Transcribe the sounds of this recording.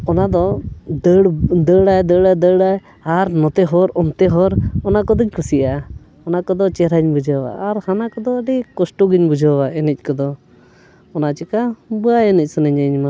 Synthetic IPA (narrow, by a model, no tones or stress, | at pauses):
ɔnad̪ɔd̪əɽd̪əɽajd̪əɽajd̪əɽaj | aɾnɔt̪ɛɦɔɾɔmt̪ɛɦɔɾɔnakɔd̪ɔɲkʰusiʔa | ɔnakɔd̪ɔt͡ʃɛɾaɲbud͡ʒʱawa̰ʔːɾhanakɔd̪ɔːɖikɔsʈɔɡiɲbud͡ʒʱawaɛnɛc̚ˀkɔd̪ɔ | ɔnat͡ʃɛkabuajɛnɛc̚ˀsənəɲaɲma